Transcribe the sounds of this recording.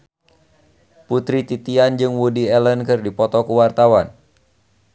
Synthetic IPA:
put̪ɾit̪it̪iand͡ʒɨŋwudiɛlənkɨrdipɔt̪ɔkuwart̪awan

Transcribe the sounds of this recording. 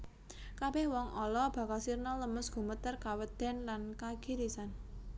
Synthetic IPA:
kabɛhwɔŋʔɔlɔb̥ä̤kalsirnɔləməsɡ̥ṳmət̪ərkawəd̪̥ɛ̤nlankaɡ̥iɾisan

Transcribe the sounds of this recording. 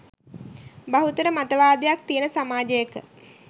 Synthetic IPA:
baɦut̪əɾəmat̪əʋaːd̪ejak̚t̪ijənəsamaːd͡ʒəjəkə̰

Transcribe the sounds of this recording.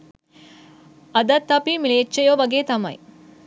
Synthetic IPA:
ɐd̪ɐt̪ːɐpimileːt͡ʃːɐjoːʋɐɡet̪ɐmɐ̰j

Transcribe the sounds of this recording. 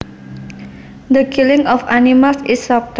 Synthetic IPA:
d̪əkʰilɪŋɔfanimalsɪsːɔp̚t̪

